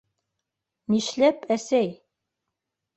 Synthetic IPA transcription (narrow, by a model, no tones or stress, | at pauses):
niʃlæpæsæj